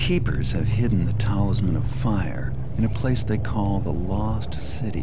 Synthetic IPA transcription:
kʰipə̰˞z̥ɨ̰v̥hɪdⁿn̩ðɨtʰaʊlˠəzmɨ̃ɾ̃ʌv̥faɪə̰˞ | ɨ̃ñɨpʰl̥eɪsðeɪkʰɔlˠðə̰lɔ | stsɪɾḭ

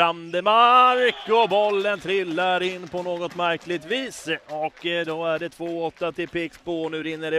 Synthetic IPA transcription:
and̪əmaɾkɔbɔlːənt̪ʰɾɪlːaɾɪnːpʰɔnoːɡɔt̪mæɾklɪt̪viːsɔkːd̪ɔæɖɛt̪ʰvoːɔt̪ːat̪ʰɪlpʰɪksbonʉ̟ːɾɪnːəɖɛ

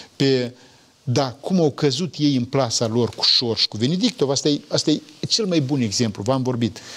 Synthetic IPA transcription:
pe | d̪akʰumawkəzut̪je̞jɨnplasalo̞rku̥ʃo̞rʃi̥kuve̞ned̪ik̚t̪o̞vast̪ajast̪ajt͡ʃe̞lmajbune̞ɡze̞mpluvamvo̞rbit̪

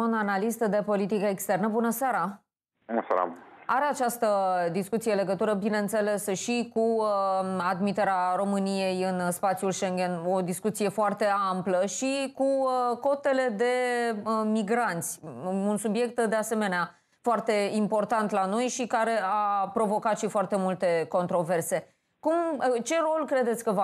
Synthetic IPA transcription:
unanalist̪əd̪e̞po̞lit̪ikəekst̪ernəbunəsaɾa | bunəsa̰ɾa̰aɾeat͡ʃast̪əd̪iskut̪sijele̞ɡət̪uɾəbineɨnt̪se̞le̞sʃikuəad̪mit̪eɾeaɾo̞mɨnijejɨnspat̪siulʃe̞ŋɡʲe̞no̞d̪iskut̪sije̞foart̪e̞ampləʃikuko̞t̪e̞le̞d̪e̞ | miɡɾant̪sʲunsubje̞k̚t̪d̪e̞ase̞me̞nea | foart̪e̞impo̞rt̪ant̪lano̞jʃikaɾe̞apɾo̞vo̞kat̪ʃifoart̪e̞mult̪e̞ko̞nt̪ɾo̞ve̞rse̞ | kumt͡ʃe̞ɾo̞lkɾe̞d̪e̞t̪sʲkəva

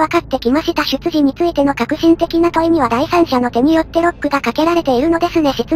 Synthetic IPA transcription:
akat̪ːe̞kʲimaɕit̪aɕɨt͡sɨʑiɲ̟it͡sɨit̪e̞no̞kakɯ̟ɕĩnt̪e̞kʲinat̪o̞im̟ʲiβ̞ad̪aisãɰ̃ɕano̞t̪e̞ɲ̟ijo̞t̪ːe̞ɾo̞kːɯ̟ɡakake̞ɾaɾe̞t̪e̞iɾɯ̟no̞d̪e̞sɨne̞ɕit͡sɨ

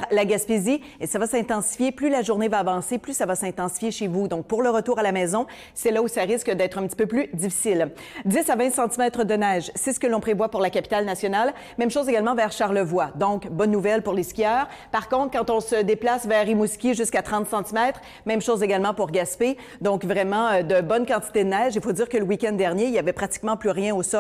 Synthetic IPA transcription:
laɡaspezi | esavasɛ̃t̪ɑ̃si̥fjeplylaʒuʁnevaːvɑ̃seplysavasɛ̃t̪ɑ̃si̥fjeʃevud̪ɔ̃k̚pʊʁləʁət̪uːʁalamɛːzɔ̃ | sɛlausaʁɪskəd̪ɛːt̪χɛ̃pt̪i̥pøplyd̪d͡z̪ifi̥sɪl | d̪ɪsavɛ̃sɑ̃t̪imɛːt̪χəd̪ənɛːʒsɛsə̥kəlɔ̃pχevwapʊʁlakʲapi̥t̪alnasjɔnal | mɛ̃mʃoːzeɡʲalmɑ̃vɛʁʃaʁləvwad̪ɔ̃kbɔnːuvɛlpuʁleskʲijœːʁ | paʁkɔ̃t̪χkɑ̃t̪ɔ̃səd̪eplasvɛːʁimuskʲiʒyskat̪χɑ̃t̪sɑ̃t̪imɛːt̪χ | mɛ̃mʃoːzeɡalmɑ̃puʁɡʲaspe | d̪ɔ̃kvʁɛmɑ̃ød̪əbɔnkɑ̃t̪i̥t̪ed̪ənɛːʒifod̪iːʁkələwikʲɛ̃nd̪ɛʁnjeiljavɛpχat̪i̥kmɑ̃plyʁjɛ̃osɔ

